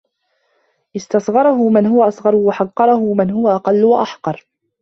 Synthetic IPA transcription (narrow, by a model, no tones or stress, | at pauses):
ʔɪst̪ɑsˤɣɑɾˤɑhʊmɪnhʊwaʔɑsˤɣɑɾˤwaħɑqːɑɾˤɑhʊmɪnhʊwaʔɑqɑlːwaʔaħqɑɾˤ